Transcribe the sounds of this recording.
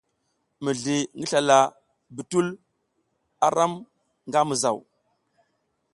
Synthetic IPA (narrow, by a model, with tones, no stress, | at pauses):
mə˨ɮi˨ŋɡi˦ɬa˨la˨ | bi˨tu˦l | a˨ɾa˦m | ŋɡa˦mə˨za˨w